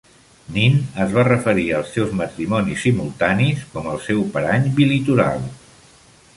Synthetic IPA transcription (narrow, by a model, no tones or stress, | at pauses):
ninəzβarəfəɾiəlˠsɛwzmət̪ɾimɔnisːimulˠt̪aniskɔməlˠsɛwpəɾaɲbilit̪uɾa̰lˠ